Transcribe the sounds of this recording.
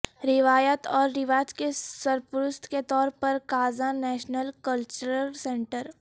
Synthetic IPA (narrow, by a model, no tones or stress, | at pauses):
ɾɪʋaːjət̪ɔːɾːɪʋaːd͡ʒkesɐɾpʊɾʊst̪ʰket̪ɔːɾpɐɾkaːzanɛːʃnəlkəlt͡ʃəɾəlsẽːɳʈəɾ